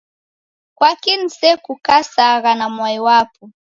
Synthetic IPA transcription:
kwakin̩sɛkukasaɣanamwaiwapu

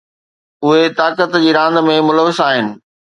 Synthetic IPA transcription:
ʊɦet̪aːkət̪d͡ʑiːɾãːnd̪mẽmʊləʋɪsaːɦɪnɪ̆

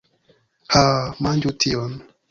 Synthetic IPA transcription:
hamand͡ʒutʰiɔn

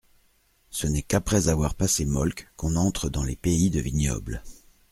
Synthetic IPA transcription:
sənɛkapχɛzavwaʁpasemɔlkkɔ̃nɑ̃t̪χəd̪ɑ̃lepeid̪əvinjɔ̰bl

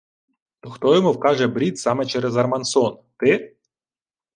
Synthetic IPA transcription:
t̪ɔxt̪ɔjɔmuwkɑʒɛbɾʲit̪sɑmɛt͡ʃɛɾɛzɐrmɐnsɔnt̪ɪ

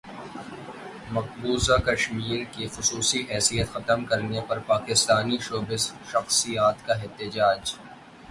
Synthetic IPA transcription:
mɐq̚buːzakɐʃmiːɾkixʊsuːsiʔɛːsijət̪xɐt̪əmkɐɾnepɐɾpaːkɪst̪aːniʃoːbɪzʃɐxsijaːt̪kaɛt̪ɪd͡ʒaːd͡ʒ

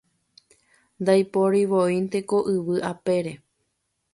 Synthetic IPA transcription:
nd̪ajpoɾiʋoint̪e̞ko̞ʔɨʋɨʔape̞ɾe̞

